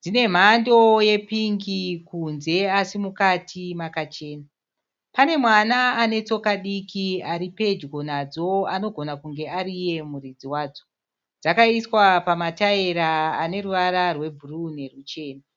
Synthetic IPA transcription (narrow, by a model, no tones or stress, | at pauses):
d͡zine̞m̤ando̞je̞piŋɡikunze̞asimukatʰimakat͡ʃe̞ːna | pane̞mwanaːne̞t͡so̞kaɗikiaɾipe̞d͡ʒɡo̞nad͡zo̞ano̞ɡʱo̞nakuŋɡe̞aɾije̞murid͡ziwaːd͡zo̞ | d͡zakaiswapamataeɾaːne̞ruʋaɾarwe̞bʱurune̞rut͡ʃe̞ːna